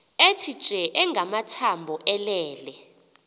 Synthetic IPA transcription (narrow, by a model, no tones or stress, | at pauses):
etʰi̥t͡ʃʼɛʔɛŋɡʱamatʰambʱɔʔɛlɛːlɛ